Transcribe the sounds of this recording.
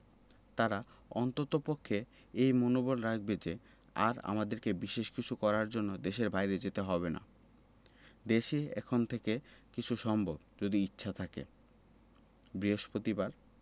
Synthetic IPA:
t̪aɾa | ɔnt̪ot̪opokʰːe | ejmonobolɾak̚ʰbed͡ʑe | a̰ɾa̰mad̪eɾkebiʃeʃkit͡ɕʰukɔɾaɾd͡ʑonːod̪eʃeɾbʱajɾed͡ʑet̪eɦɔbena̰ | d̪eʃeɛ̰kʰont̪ʰekekit͡ɕʰuʃɔmbʱobd͡ʑod̪iitːɕʰat̪ʰakḛ | bɾiɦoʃpɾot̪ibaɾ

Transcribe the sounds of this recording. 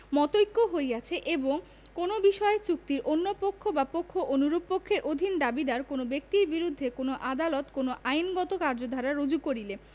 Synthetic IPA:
mɔt̪ojkːoɦojɡat͡ɕʰeʔeboŋ | konobiʃɔet͡ɕuk̚t̪iɾʔonːopokʰːobapokʰːoʔonuɾubpokʰːeɾʔod̪ʱind̪abid̪aɾkonobek̚t̪iɾbiɾud̪ʱːekonoʔad̪alot̪konoʔajnɡɔt̪okaɾd͡ʑod̪ʱaɾaɾod͡ʑukoɾile

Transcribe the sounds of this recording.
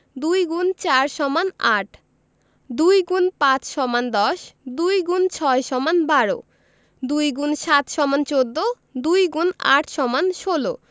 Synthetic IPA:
d̪ujɡunt͡ɕaɾʃɔmanaʈʰ | d̪ujɡunpãt͡ɕʃɔmand̪ɔʃd̪ujɡunt͡ɕʰɔeʃɔmanbaɽo̰ | d̪ujɡunʃat̪ʃɔmant͡ɕod̪ːo | d̪ujɡuna̰ʈʰʃɔmanʃolo

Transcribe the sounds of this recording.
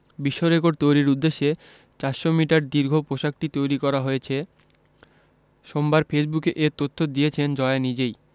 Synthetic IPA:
biʃːoɾek̬oʈt̪ojɾiɾud̪ːeʃːe | t͡ɕaʃomiʈaɾd̪iɾɡʱopoʃak̚ʈit̪ojɾikɔɾaɦojet͡ɕʰe | ʃombaɾfesbukeʔeɾt̪ot̪ʰːod̪ijet͡ɕʰend͡ʑɔenid͡ʑej

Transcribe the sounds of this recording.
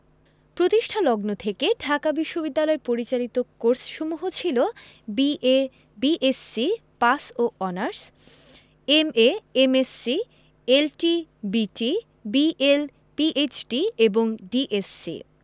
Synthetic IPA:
pɾot̪iʃʈʰalɔɡnot̪ʰekeɖʱakabiʃːobid̪ːalɔepoɾit͡ɕalit̪okoɾsʃomuɦot͡ɕʰilo | bie | biʔesːipasoʔɔnaɾs | emeemesːi | elʈibiʈi | biʔel | piʔet͡ɕʈieboŋɖiʔesːḭ

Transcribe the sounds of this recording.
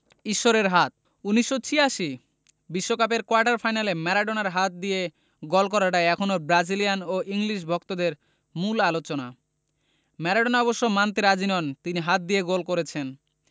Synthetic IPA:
iʃːoɾeɾɦat̪̚ | unːiʃːot͡ɕʰiaʃi | biʃːokap̬eɾkoaɾʈaɾfʰajnalemɛɾaɖonaɾɦat̪̚d̪ije | ɡolkɔɾaʈaeɛkʰonobɾad͡ʑilijanoʔiŋliʃ̬bʱɔk̚t̪od̪eɾ | mulalot͡ɕona̰ | mɛɾaɖonaɔboʃːomant̪iɾad͡ʑinɔnt̪iniɦat̪̚d̪ijeɡolkoɾet͡ɕʰen

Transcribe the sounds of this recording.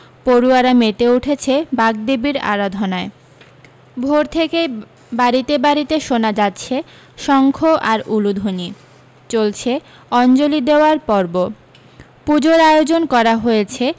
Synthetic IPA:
poɾuaɾamet̪euʈʰet͡ɕʰebaɡ̚d̪ebiɾa̰ɾad̪ʱonae | bʱoɾt̪ʰeke | baɾit̪ebaɾit̪eʃonad͡ʑatːɕʰe | ʃɔŋkʰoʔaɾulud̪ʱoni | t͡ɕolt͡ɕʰe | ɔnd͡ʑolid̪eoaɾpɔɾbo | pud͡ʑoɾajod͡ʑonkɔɾaɦojet͡ɕʰe

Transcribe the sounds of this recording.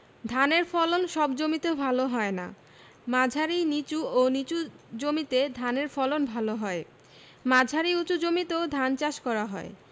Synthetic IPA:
d̪ʱaneɾfɔlonʃɔbd͡ʑomit̪ebʱaloɦɔena̰ | mad͡ʑʱaɾinit͡ɕuonit͡ɕud͡ʑomit̪ed̪ʱaneɾfɔlonbʱaloɦɔe | mad͡ʑʱaɾiut͡ɕud͡ʑomit̪eod̪ʱant͡ɕaʃkɔɾaɦɔe

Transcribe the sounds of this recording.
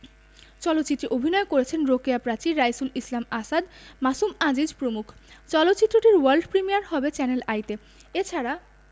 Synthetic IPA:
t͡ɕɔlot̪ːt͡ɕit̪ːɾeʔobʱinɔekoɾet͡ɕʰenɾokiapɾat͡ɕiɾajsulislamasad̪masumad͡ʑid͡ʑpɾomukʰt͡ɕɔlot̪ːɕit̪ːɾoʈiɾwaɾlɖpɾimijaɾhɔbet͡ɕɛnelajt̪e | et͡ɕʰaɾa

